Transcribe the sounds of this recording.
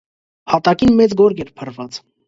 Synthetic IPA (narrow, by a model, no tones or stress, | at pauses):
hɑt̪ɑkinmɛt͡sɡɔɾɡɛɾpʰərvɑt͡s